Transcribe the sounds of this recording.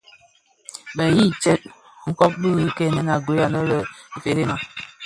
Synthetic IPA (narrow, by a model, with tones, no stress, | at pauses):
bə˨ji˦t͡ʃɛ˦t̚ | ŋ̩˦kɔ˦p̚bɨ˦ɣkɛ˨nə˨˦na˨ɡwo˨ja˨nə˦ɾə˨i˨fe˨ɾe˦ma˨